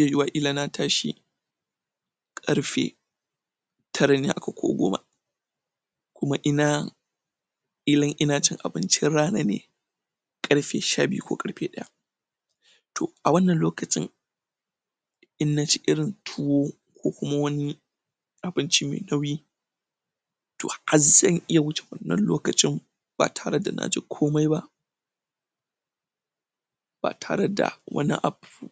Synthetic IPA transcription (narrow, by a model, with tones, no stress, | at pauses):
ja˨jʊ˦wa˦˨ʔiː˦laː˨na˦tʰaː˦ʃḭ˦ | kʼɐ˦ɽɸḛː˨ | tʰɐ˦ɽa˦nḛ˦ʔa˨ka˨kʷʰo̰ː˦ɡʷo̰ː˦ma̰˨ | kʷʊ˦ma˦ʔɪ˦na˦ | ʔi˦lɐ˦ŋʔɪ˦naː˦t͡ʃɪ˦ŋʔa̰˨bɪ˦nt͡ʃɪ˦ɽaː˦na˦nḛː˨ | kʼɐ˦ɽɸeː˨ʃaː˦bɪ˦ṵ˦kʷo̰ː˦kʼɐ˦ɾɸeː˦ɗɐ˦ja̰˦ | tʰo̰˨ʔa˨wɐ˦nːɐ˨nloː˦kɐ˨t͡ʃʼɪ̰˦ŋ | ʔɪ˦nːa˦t͡ʃi˦ʔɪ˦ɽɪ˨ntʰu˦woː˦ | kʷoː˦kʷʊ˦ma˦wɐ˦ni˦ | ʔa˨bɪ˦nt͡ʃi˦mḛː˨nɐ˦wjiː˦ | to̰ː˨ha˨zɐ˦ŋʔɪ˦ja˨wʊ˦t͡ʃe̥˨wɐ̰˨nːɐ̰˦nloː˦kɐ˨t͡ʃʼɪ˦m | b̥a̰ː˨tʰaː˦ɽɐ˦da̰˨nʔa̰ː˦d͡ʒɪ˦kʷʰoː˦ma˦jba˦ʔ | b̥a̰ː˨tʰaː˨ɽɐ˦da̰˨wɐ̰˦nḭ˦ʔa˨bu˨